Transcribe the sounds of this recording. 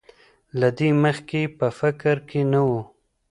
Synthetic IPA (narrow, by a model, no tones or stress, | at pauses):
lad̪eməxkepəfɪkɾkenawu